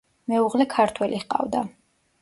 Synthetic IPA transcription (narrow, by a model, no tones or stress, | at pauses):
mɛuʁlɛkʰaɾt̪ʰwɛlʔiχqʼa̰vd̪a